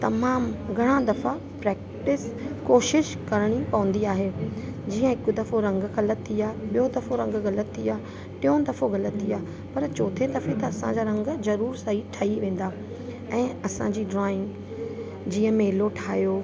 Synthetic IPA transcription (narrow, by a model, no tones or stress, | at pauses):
t̪ɐmaːmɡʱɐɽ̃ãd̪ɐfa | pɾɛːk̚ | ʈɪskoːʃɪʃkɐɾəɽ̃ipɐʋə̃nd̪iaːɦeːd͡ʑiːə̃ɪkʊ̆d̪ɐfoɾɐ̃ŋɡxɐlət̪ʰːiaːɦeɓijod̪ɐfoɾɐ̃ŋɡɣɐlət̪ʰːiaː | ʈɪ̃jõd̪ɐfoɣɐlət̪ʰːiaːɦ | pɐɾt͡ɕoːt̪ʰed̪ɐfet̪ɐɐsãd͡ʑaːɾɐ̃ŋɡzɐɾuːɾsɐiʈʰɐiʋẽːn̆d̪aː | ɛ̃ːɐsãd͡ʑiːɖɾaːɪ̃ŋɡ | d͡ʑiːə̃meːloʈʰaːɦjoː